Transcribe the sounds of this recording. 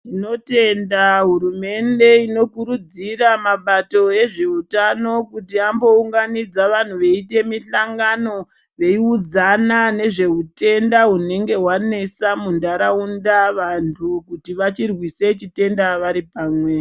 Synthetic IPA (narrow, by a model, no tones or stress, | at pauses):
tino̞te̞ndaɦuɾume̞nde̞ino̞kuɾud͡ziramaɓato̞e̞ʐeutano̞kutiambo̞uŋɡanid͡zaʋan̤uʋe̞ite̞miɬaŋɡano̞ | ʋe̞iud͡zanane̞ʐe̞ɦute̞ndaɦune̞ŋɡe̞ɦwane̞samundaɾaundaʋantʰukutiʋat͡ʃirwise̞t͡ʃite̞ndaʋaɾipaːmwe